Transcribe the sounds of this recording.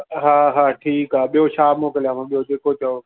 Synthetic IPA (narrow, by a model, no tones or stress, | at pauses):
ɦaːɦaːʈʰiːkɦaːɓijoʃaːmoːkəljamãɓijod͡ʒeːkot͡ʃəo